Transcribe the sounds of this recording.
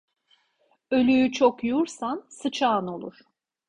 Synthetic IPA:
ø̞lʲyyt͡ʃʰokjuɾsansɯt͡ʃʰaːno̞lˠuɾ̥

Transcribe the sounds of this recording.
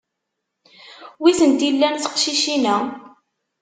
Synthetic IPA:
wiθənt̪ilːænθə̥qʃiʃinæ

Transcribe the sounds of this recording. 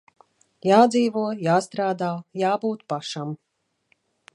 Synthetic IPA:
jaːd̪ziːvuɔjaːst̪ɾaːd̪aːjaːbuːt̪paʃam

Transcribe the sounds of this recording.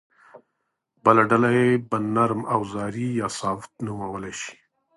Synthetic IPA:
bəlaɖalajebənaɾmawzɑɾijɑsɑft̪nuwawəlaʃi̥

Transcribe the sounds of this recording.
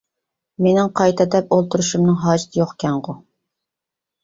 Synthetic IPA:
menɪŋqʰɑjt̪ʰɛd̪ɛp̚olˠt̪ʰuɾuʃumnɨŋɦɑːd͡ʒɪt̪ʰɪjoχkʲʰɛɴʁʊ

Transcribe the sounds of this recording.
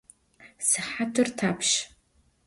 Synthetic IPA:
sɨħatʰɨrtʰaːpʰʃ

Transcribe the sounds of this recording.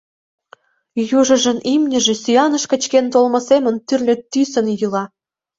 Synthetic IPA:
juʒɤ̆ʒə̆nimnʲə̆ʒĕsʲyjɑnə̆ʃkə̆t͡ɕkent̪olmɤ̆semə̆nt̪yrlʲet̪ːysə̆njɯlɑ

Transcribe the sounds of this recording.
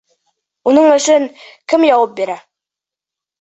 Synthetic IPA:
unɤɴɵ̆ʃɵŋkɘmjɑwɤp̚biɾæ

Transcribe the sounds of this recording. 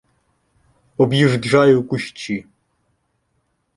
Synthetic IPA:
ɔbjiʐd̪ʐajukʷʼʊʃt͡ʃʰi

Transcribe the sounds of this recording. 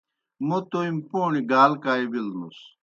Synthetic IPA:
mut̪oimpoːɳiɡaːlkaːibilnṵs

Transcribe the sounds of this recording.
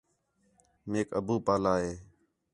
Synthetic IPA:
meːkə̰buːpaːlaːɦeː

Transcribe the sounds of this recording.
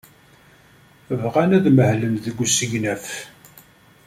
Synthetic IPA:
əvʁænæðməhlənðəɡʷsəʝnæf

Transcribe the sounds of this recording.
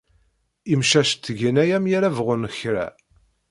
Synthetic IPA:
imʃæʃt̪ːʝinæjæmjaɾævʁʊnəçɾæ̰

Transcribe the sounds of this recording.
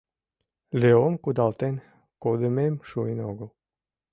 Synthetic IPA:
lʲeomkud̪ɑlˠt̪en | kod̪ememʃuinoɡu

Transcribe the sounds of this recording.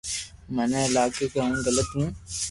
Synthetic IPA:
mənẽɪlaːkeːkaũːɡələt̪ɦũː

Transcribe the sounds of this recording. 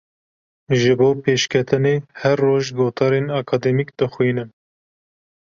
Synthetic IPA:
ʒɨboːpʰeːʃkʰɛt̪ʰɨneːhɛɾːoːʒɡoːt̪ʰɑːɾenɑːkʰɑːd̪ɛmikd̪̥ɨxwinɨm

